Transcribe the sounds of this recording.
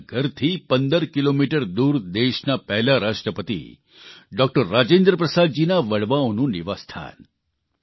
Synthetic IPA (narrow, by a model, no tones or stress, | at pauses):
ɡʱəɾt̪ʰiːpənd̪əɾkilomiʈəɾd̪uːɾd̪eʃnapɛɦlaɾaːʂʈɾəpət̪ḭ | ɖɔːk̚ʈəɾːaːd͡ʑeːnd̪ɾəpɾəsaːd̪̚d͡ʑiːnaʋəɭʋãnũːniʋast̪ʰa̰ːn